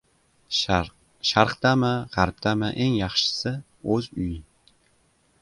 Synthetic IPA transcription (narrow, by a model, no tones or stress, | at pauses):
ʃaɾqt̪amɪʁaɾp̚t̪ʰamɪʔeŋjɑχʃɪ̥sɪ | ɵzʊjɪ